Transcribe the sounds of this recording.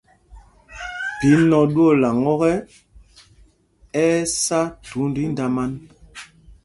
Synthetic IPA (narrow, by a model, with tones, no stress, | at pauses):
pi˨˦nɔ˨ɗu˦ɔ˦˨la˨ŋɔ˦ɣɛ˦ | ɛ˦sa˦tu˨˦ndi˦n˦da˨ma˦n